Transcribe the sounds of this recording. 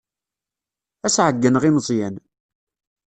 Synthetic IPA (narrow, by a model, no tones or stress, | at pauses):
æsʕəɡːənʁimzˤjæn